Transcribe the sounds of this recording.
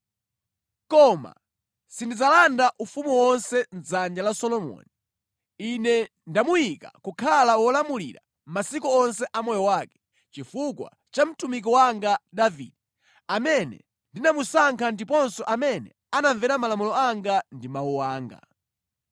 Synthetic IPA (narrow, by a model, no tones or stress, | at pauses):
kɔma̰ | sindid͡zalandaʔufumuwɔnsɛn̩zand͡ʒalasɔlɔmɔ̰ni | inɛ | ndamujika̰kukʰalawɔlamulḭɾa̰ | m̩masikuɔnsɛʔamɔjɔwaːkɛ̥ | t͡ʃifukwa̰ | t͡ʃam̩tumik̬ɔwaŋɡadavidi | amɛnɛ̰ | ndinamusaŋkʰandipɔnsɔʔamɛnɛ̰ | anaɱvɛɾamalamulɔaŋɡandimawuwaːŋɡa̰